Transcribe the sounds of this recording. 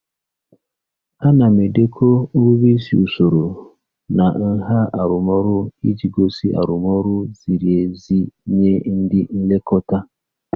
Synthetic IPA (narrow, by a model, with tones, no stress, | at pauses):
a˦na˨me˨de˦kʰo˦βi˦si˨u˨so˨ɾo˨ | na˨n̩˦ɦa˦a˨ɾʊ˨mɔ˦ɾʊ˦i˦d͡ʒi˨ɡo˦si˦ʔa̰˨ɾʊ˨mɔ˦ɾʊ˦z̥i˨ɾi˨e˨zi˦ɲe˦n̩˦dɪ˦n̩˦le˦kɔ˦ta˦